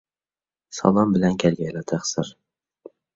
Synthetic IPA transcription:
sɒ̰lˠɒmbɪlankʲʰalɡʲalat̪ʰaχsɪɾ

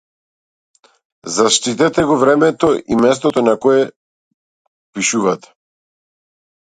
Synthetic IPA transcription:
zaʃt̪it̪ɛt̪ɛɡɔvɾɛmɛt̪ɔʔimɛst̪ɔt̪ɔnakɔɛ | piʃuvat̪ɛ̥

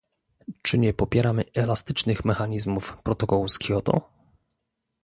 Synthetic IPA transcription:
t͡ʂɘɲɛpɔpʲjɛɾamɘɛlast̪ɘt͡ʂnɘxmɛxaɲizmufpɾɔt̪ɔkɔwuskʲjɔt̪ɔ̰

